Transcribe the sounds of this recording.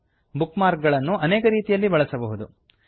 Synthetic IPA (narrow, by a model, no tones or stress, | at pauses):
bukmaːɾk̚ɡɐɭɐnːuʔɐneːkɐɾiːt̪ijɐlːibɐɭɐsɐbɐɦud̪u